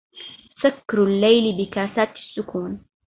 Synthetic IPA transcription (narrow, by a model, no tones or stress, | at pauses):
sakːɾʊlːajlɪbɪkaːsaːt̪ḁsːʊkuːn